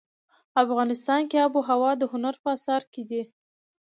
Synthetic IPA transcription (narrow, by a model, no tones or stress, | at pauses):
afɣɑnɪst̪ɑnkeabuɦawɑd̪əhʊnaɾpəasɑɾked̪i